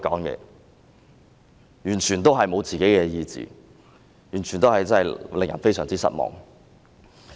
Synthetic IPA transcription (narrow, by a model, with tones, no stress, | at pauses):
kɔ̰ː˨˥ŋkɛ̰ː˧ | jyː˨˩nt͡ʃʰyː˨˩nt̪o˥wɦɐ˨jmo˨˧wt͡siː˨ke˨˥jkɛː˧jiː˧t͡sḭː˨ | jyː˨˩nt͡ʃʰyː˨˩nt̪o˥whɐ˨jt͡sɐ˥nhɐ˨jlɪ˨ŋjɐ˨nfe˥jsœ̰ː˨˩ŋt͡siː˥sɐ̰˥t̚mɔ̰ː˨ŋ